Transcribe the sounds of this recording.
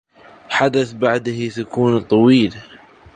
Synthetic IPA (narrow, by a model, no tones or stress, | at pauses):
ħad̪aθbaʕd̪hit̪akuːnt̪ˤːɑwiːla